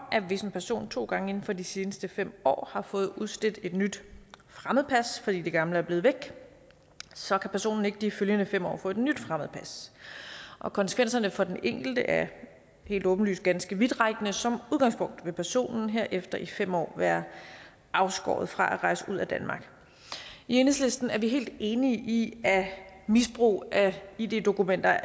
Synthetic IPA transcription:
ʔæʋe̝senpʰæɐso̝̰ːnt͡sʰo̝̰ːɡ̥ɑ̈ŋəe̝n̩fɒ̽d̥ise̝ːnəsd̥əfem̰ɒ̰ːhɑ̈fɔ̽ːð̩ˠuðˠsl̥ed̥e̝d̥nyd̥fʁaməð̩ˠpʰæsfɒ̽d̥ḭːd̥e̝ɡ̥ɑ̈mləæɐb̥le̝ːð̩ˠʋeɡ̥ | sɒ̽kʰæpʰæɐso̝̰ːnn̩e̝ɡ̥əd̥iføljənəfem̰ɒ̰ːfɔ̰̽e̝d̥nyd̥fʁaməð̩ˠpʰæs | ʔɒ̽kʰɒ̽nsə̥kʰʋen̰sɐnəfɒ̽d̥eneŋ̰ɡ̥l̩d̥əʔæɐ | he̝̰ːld̥ɔ̽ːb̥n̩ly̰ːs̚ɡ̥ænsɡ̥əʋid̥ʁɑ̈ɪɡ̥ənəsɒ̽muðˠɡɑ̈ŋspʰɔ̽ŋ̰d̥ʋe̝pʰæɐso̝̰ːnn̩ɦe̝ɐ̰ʔefd̥ɐifem̰ɒ̰ːʋæːɐ | ʔɑ̈ʊsɡ̥ɒ̰ːð̞̩ˠfʁɑ̈ʔæʁɑ̈ɪsəuð̞̰ˠæd̥ænmɑ̈ːɡ̥ | ieːnˠslesd̥n̩æɐʋiɦe̝̰ːld̥e̝ːniəʔiæmisb̥ʁṵːʔæid̥e̝d̥o̝kumen̰d̥ɐ

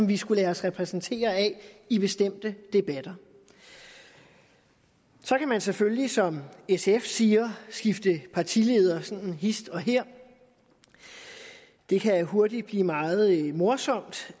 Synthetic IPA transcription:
mʋisɡ̥ulɛːɐsʁɛpʰʁɛsn̩t͡sʰe̝̰ːɐɛib̥e̝sd̥em̰d̥əd̥e̝b̥æd̥ɐ | sɒ̽kʰæmænsefølisɒ̽mesefsiːɐsɡ̥ifd̥əpʰɑ̈t͡sʰile̝ːð̞ˠɐsɒ̽nn̩ɦisd̥ɒ̽ɦeɐ̰ | d̥e̝kʰæɦo̝ɐd̥id̥̚b̥lḭːmɑ̈ːð̞̩ˠmo̝ɐsɒ̽m̰d̥

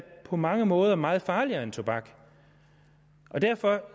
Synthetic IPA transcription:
pʰɒ̽mɑ̈ŋəmɔ̽ːð̞ˠɐmɑ̈ːð̞̩ˠfɑ̈ːliɐe̝nt͡sʰo̝b̥ɑ̈ɡ̥ | ʔɒ̽d̥æɐfɒ̽

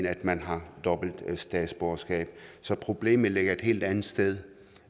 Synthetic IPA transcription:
næd̥mænɦɑ̈d̥ɒ̽b̥l̩d̥sd̥ɛ̰d̥sb̥ɒɐsɡ̥ɛ̰ːb̥sɒ̽pʰʁo̝b̥le̝̰ːmð̩ˠle̝ɡ̥ɐe̝d̥he̝ːld̥ænð̩ˠsd̥eð̞ˠ

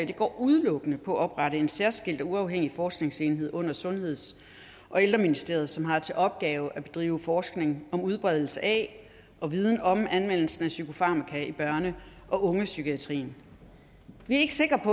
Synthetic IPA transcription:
d̥e̝ɡ̥ɒ̰ːʔuð̞ˠlɔ̽ɡ̥ənəpʰɒ̽æɒ̽b̥ʁɑ̈ɾəe̝nsæɐsɡ̥el̰d̥ɒ̽uɑ̈ʊɦeŋ̰ifɒːsɡ̥ne̝ŋse̝ːnɦe̝ð̞̰ˠɔ̽n̰ɐsɔ̽nhe̝ð̞̰ˠs | ʔɒ̽eld̥ʁɐminisd̥e̝̰ɐð̞̩ˠsɒ̽mɦɑ̈t͡sʰe̝lʔɒ̽b̥̚ɡ̥ɛːʊʔæb̥e̝d̥ʁḭːʊəfɒːsɡ̥ne̝ŋɒ̽muðˠb̥ʁɛð̞ˠl̩səʔɛ | ʔɒ̽ʋið̞ˠn̩ɒ̽mænmen̰l̩sn̩æsykʰo̝fɑ̈mækʰæib̥ɶɐnəʔɒ̽ʔɔ̽ŋəsykʰiæt͡sʰʁḭːn | ʋiæɐe̝ɡ̥əse̝ɡ̥ʁɐpʰɒ̽

